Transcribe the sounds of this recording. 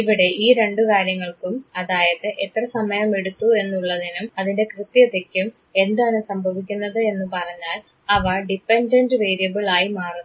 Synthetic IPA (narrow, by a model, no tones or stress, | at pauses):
iʋiɽe̞ʔiːɾe̞ɳɖukaːɾjɐŋːɐɭkumɐðaːjɐðɨʔet̪rɐsɐmɐjɐme̞ɽut̪ːue̞nːuɭːɐðinumɐðinde̞krɨt̪ːjɐðekʲːum | e̞nd̪aːɳɨsɐmbʱɐʋik̬ʲːunːɐðɨe̞nːupɐrɐɲːaːl | ɐʋɐɖipːendɐndɨʋe̞ːɾijɐbiɭaːjimaːrinː